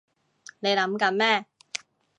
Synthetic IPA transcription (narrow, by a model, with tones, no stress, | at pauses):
ne˨˧jlɐ˨˥mkɐ˨˧˥nmɛː˥